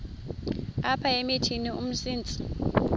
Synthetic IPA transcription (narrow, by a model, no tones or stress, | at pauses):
apʰaemitʰiniṵm̩siːnt͡sʼi̥